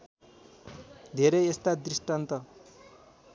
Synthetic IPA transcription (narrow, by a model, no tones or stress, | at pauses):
d̪ʱeɾʌjest̪ad̪risʈant̪ʌ